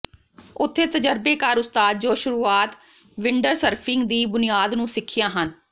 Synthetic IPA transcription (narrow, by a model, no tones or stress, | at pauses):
ʊt̪ʰːeːt̪əd͡ʒəɾbeːkaːɾʊst̪aːd̪̚d͡ʒoːʃʊɾuːaːt̪ | ʋɪɳɖəɾsəɾpʰɪŋɡd̪iːbʊnɪjaːd̪nũːsɪkʰːɪjãːɦən